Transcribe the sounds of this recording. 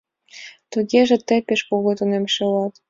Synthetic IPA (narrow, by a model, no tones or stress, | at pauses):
t̪uɣeʒĕt̪ĕpeʃkoɣot̪onemʃelɑt̪